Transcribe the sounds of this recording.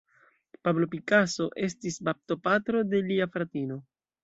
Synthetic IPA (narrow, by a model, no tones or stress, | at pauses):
pablo̞pikaso̞ʔe̞stisbap̚to̞patɾo̞de̞liafɾatino̞